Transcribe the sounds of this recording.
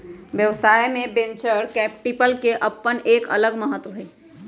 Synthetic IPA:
ʋjəʋsaːjemẽbẽɲt͡ʃəɾkɛːp̚ʈipəlkeʔɐpːəneːkɐ̰ləɡməɦət̪ːwəɦe

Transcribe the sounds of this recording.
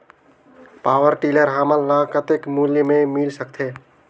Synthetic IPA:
paːwəɾʈiləɾɦaməlːakət̪ekmuljəmemilsəkt̪ʰe

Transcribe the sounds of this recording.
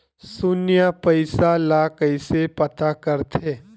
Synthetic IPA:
sʊnjapɐɪsalakəɪsepɐt̪ʰakɐɾt̪ʰeː

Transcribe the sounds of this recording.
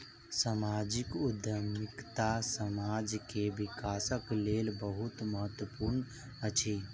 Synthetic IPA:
samaːd͡ʒikʊd̪jəmɪkt̪asəmad͡ʒkeʋikaːsəkleːlbəɦut̪məɦət̪wəpuɾn | ət͡ʃʰi

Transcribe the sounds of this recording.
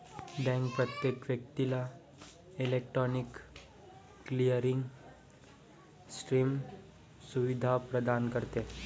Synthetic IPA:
bɛ̃ŋkpɾət̪jekʋjək̚t̪ila | ilek̚ʈɾɔnikː | lijəɾiŋɡ | sʈɾim | suʋid̪ʱapɾəd̪ankəɾt̪e

